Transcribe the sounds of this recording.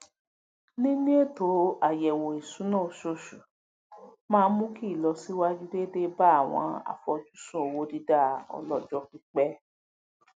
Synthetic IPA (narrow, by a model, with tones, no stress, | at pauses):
nĩ˦nĩ˦e˦˨to˨˦a˨jɛ˨wo˨i˨sũ˨˦nãː˦˨ʃo˦˨ʃu˨ | mãː˦˧˦mũ˦ki˦˨lɔ˧si˦wa˦d͡ʒi˦de˦de˦ba˦a˦˨w̃ɔ̰̃˧˦a̰˦˨fɔ˧d͡ʒu˦sũ˦o˨wo˨˧˦di˧da˦˨ɔ̰˧lɔ˦d͡ʒɔ˧˦ki˧k͡pɛ˦